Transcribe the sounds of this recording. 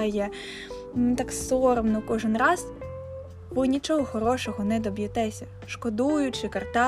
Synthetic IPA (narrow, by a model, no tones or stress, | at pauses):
jɛ | t̪ɑksɔɾɔmnɔkɔʒɪnrɑz̥ | ʋɪnʲit͡ʃɔɦɔxɔɾɔʃɔɦɔnɛd̪ɔbjɪt̪ɛsʲɐ | ʃkɔd̪ujʊt͡ʃɪkɐrt̪ɑ